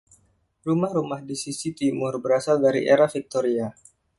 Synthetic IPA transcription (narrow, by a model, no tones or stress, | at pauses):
rumahɾumahdisisit̪imʊrbəɾasaldaɾḭʔeɾafik̚t̪oɾia